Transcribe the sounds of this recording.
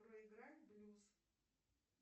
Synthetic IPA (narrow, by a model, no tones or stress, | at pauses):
rəɪɡɾalʲblʲus